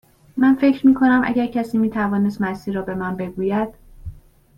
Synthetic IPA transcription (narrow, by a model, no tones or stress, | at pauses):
mænfe̞cɾmiːkʰo̞næmʔæ̰ɟæɾcʰæsiːmiːt̪ʰævɒːne̞st̪mæsiːɾːɒːbe̞mænbe̞ɡuːjæd̪̥